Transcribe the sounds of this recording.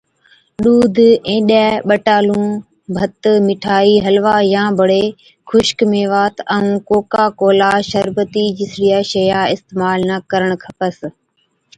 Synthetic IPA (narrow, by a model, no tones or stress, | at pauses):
ɗuːd̪ʱẽːɗɛɓəʈaːlũː | bʱɐt̪mɪʈʰaːiːɦɐlʋaːjãːbʱɐɽeː | xʰʊʃkmẽːʋaːt̪əũːkoːkaːkoːlaːʃəɾbət̪iːd͡ʑɪsɾijaʃɐjaːɪst̪eːmaːlnəkəɾəɽ̃kʰɐpəs